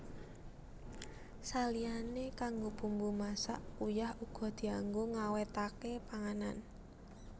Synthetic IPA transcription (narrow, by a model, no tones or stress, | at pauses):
salianekaŋɡopumbumasa̰ʔujahuɡ̥ɔ̤d̪̥i̤aŋɡoŋawet̪akepaŋanan